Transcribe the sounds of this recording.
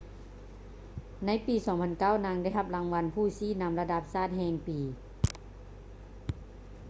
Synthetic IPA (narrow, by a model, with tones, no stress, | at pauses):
na˧˥jpiː˨˦sɔː˩˦ŋpʰa˧nka˥˩wna˧˥ŋda˥˩jɦa˧p̚la˨˧˦ŋʋa˧˥npʰuː˥˩siː˧˥˩na˧mla˧da˧p̚saː˥˩t̪̚hɛː˧ŋpiː˨